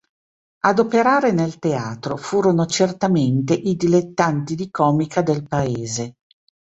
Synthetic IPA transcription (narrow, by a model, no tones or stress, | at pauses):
ad̪opeɾaːɾenelt̪eaːt̪ɾofuːɾonot͡ʃert̪ament̪eʔid̪ilet̪ːant̪id̪ikɔːmikʰad̪elpaeːze